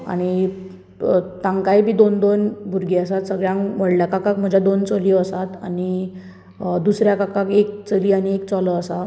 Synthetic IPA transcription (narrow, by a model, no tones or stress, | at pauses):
a̰ɽ̃i | t̪ãŋkajbʱiːd̪ond̪onbʱuɾɡeəsat̪səɡɭjãŋʋəɽljakakakm̤əd͡ʑʱjad̪ont͡soliːəsat̪a̰ɽ̃i | d̪usɾjakakakek̚t͡səliːaɽ̃iekt͡sɔləəsa